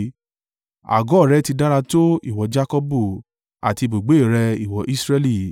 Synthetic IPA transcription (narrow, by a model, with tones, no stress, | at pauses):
a̰˨ɡɔ˦˨ɾɛ˨˦ti˧da˦ɾa˧to˦i˦˨wɔ˨˦d͡ʒa˦kɔ˦bu˦˨ | a̰˨ti˧bo˨ɡ͡be˨˦˨ɾɛ˧i˨wɔ˨˦ʔi˦sɾe˦li˦˨